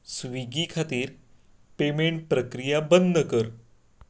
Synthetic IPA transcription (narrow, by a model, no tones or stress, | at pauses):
sʋiɡikʰat̪iːɾ | pemeɳʈ̚pɾəkɾijabənd̪əkəɾ